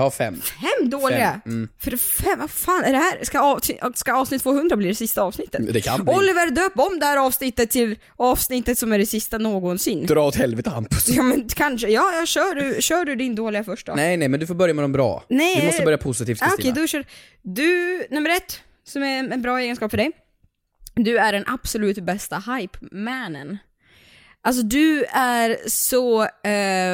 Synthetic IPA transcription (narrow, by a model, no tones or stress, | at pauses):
jhafɛ̰mːfɛmːd̪oːlɪɡafœɾɛfɛmvafaːnɛɖɛhæːɾskaɑːskaɑːvsnɪt̪ːfoːhɵnd̪ɾabliːd̪ɛsɪst̪aɑːvsnɪt̪ːə̥td̪ɛkʰa̰nbɔlːɪvəɾd̪øːpɔmd̪ɛhæːɾɑːvsnɪt̪ːət̪ʰːɪl | ɑːvsnɪt̪ːət̪sɔmæɖɛsɪst̪anoːɡɔnsɪnːd̪ɾɑːɔt̪hɛlvɛt̪əanpjɑːmɛnkʰanʂəjɑːjɑːɕœːɖɵɕœːɖɵd̪ɪnd̪oːlɪɡafœʂʈa̰nɛjnɛmɛnd̪ɵfoːɾbœɾjamɛd̪ɔmbɾɑ̰ːnɛmɔst̪əœɾjapʰʊsɪt̪iːfɔk̪ʰɛjd̪ɔʃœːɖ | d̪ɵnɵmːəɾɛt̪ː | sɔmæɛnbɾɑːeːɡənskɑːpfœɖɛj | d̪ɵæɖɛnʔab̥sɔlʉ̟ːt̪bɛst̪ahajpmænən | ʔals̬ɔd̪ɵæɾsɔ